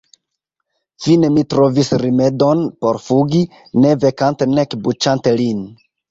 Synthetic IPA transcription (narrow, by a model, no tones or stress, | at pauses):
fine̞mitɾo̞visɾime̞do̞npo̞ɾfuɡi | ne̞ve̞kante̞nekbut͡ʃante̞lin